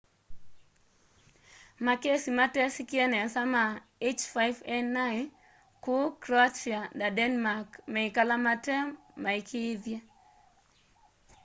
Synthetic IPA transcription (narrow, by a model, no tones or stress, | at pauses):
makesimatɛsikiɛnɛsama | et͡ʃfajvɛnːan | kukɾat͡ʃiadadɛnmakmɛikalamatɛ | maikʰɪːðja